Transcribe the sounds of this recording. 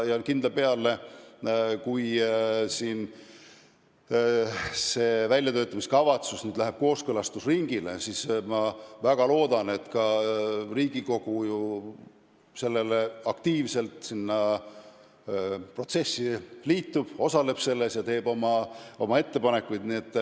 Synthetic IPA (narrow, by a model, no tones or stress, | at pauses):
jɑnkind̪̥ɑpe̞ɑlːe̞ | kujsiːn | se̞ːvælʲjɑt̪ø̞ːt̪ːˑɑmiskɑvɑt̪susnyːd̪læɦeb̥̚ko̞ːskɤlɑst̪usriŋɡ̥ilḛsismɑvæɡ̥ɑlo̞ːd̪ɑne̞t̪kɑriːɡ̥iko̞ɡ̥uju | se̞lːe̞leɑkt̪iːvse̞lt̪ˑsinːɑ | pro̞t̪se̞sːiliːt̪ːˑub̥o̞sɑle̞b̥se̞lːe̞sjɑt̪e̞ːb̥o̞mɑo̞mɑe̞t̪ːe̞pɑne̞kːujd̪̥nie̞t̪ːˑ